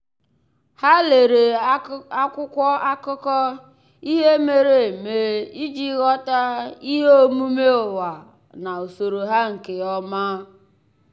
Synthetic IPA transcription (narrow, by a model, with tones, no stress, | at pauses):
ha˦le˨ɾe˨a˦kʷʊ˦kʷɔ˦a˦kʊ˦kɔ˦ | i˦ɦe˦me˦ɾe˨me˦i˦d͡ʒi˦ɣɔ˦ta˦i˦ɦe˦o˦mu˦me˦o˨wa˨ | na˨o˨so˨ɾo˨ɦa˦ŋ̩˨ke˨ɔ˦ma˦